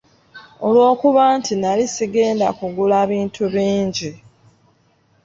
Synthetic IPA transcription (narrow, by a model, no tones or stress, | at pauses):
o̞lwo̞ːkuβaːntinalisiɡe̞ːnda̰kuɡulaːβiːntʰuβiːɲɟi